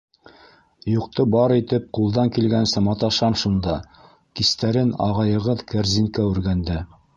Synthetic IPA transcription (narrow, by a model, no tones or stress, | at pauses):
juqt̪ɤbɑɾit̪ɘp̚qulˠd̪ɑŋkilɡænsɘmɑt̪ɑʃɑnʃund̪ɑ | kist̪æɾɘnɑ̰ʁɑjɤ̆ʁɤðkæɾziŋkæʉɾɡænd̪ɘ